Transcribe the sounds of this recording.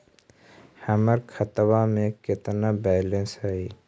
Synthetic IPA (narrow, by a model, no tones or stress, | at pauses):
həməɾkʰət̪wamẽkɪt̪nabɛːlẽnsɦəi